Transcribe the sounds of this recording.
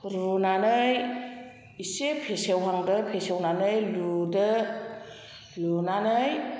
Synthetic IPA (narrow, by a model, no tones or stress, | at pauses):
ɾunanɯj | isepʰesewɦaŋdɯpʰesewnanɯjludɯ | lunanɯj